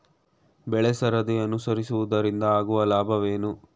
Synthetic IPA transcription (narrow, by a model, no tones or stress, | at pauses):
bɛɭɛsɐɾɐd̪eɐnusɐɾisuʋud̪ɐɾind̪ɐaːɡuʋɐlaːbʱɐʋeːnu